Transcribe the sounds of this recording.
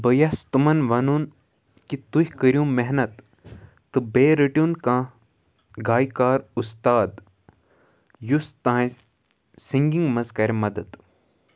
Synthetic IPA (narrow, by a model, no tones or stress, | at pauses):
bəjɐst̪umɐnʋɐnun | kit̪uhʲkəɾʲjũːmeɦnɐt̪ː | ɨbeːɾɨʈjunkãː | ɡaːjkaːɾust̪aːd̪ | just̪ãː | siŋɡĩŋɡmɐzkɐɾʲmɐd̪ɐd̪